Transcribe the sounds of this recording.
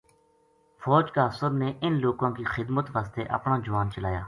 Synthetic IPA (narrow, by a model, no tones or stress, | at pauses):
fʰɔːd͡ʒkaːsəɾneːʔɪnloːkãːkiːxɪd̪mət̪ʋaːst̪ḛːʔə̰pnãːd͡ʒʊʋaːnt͡ʃəlaːjaː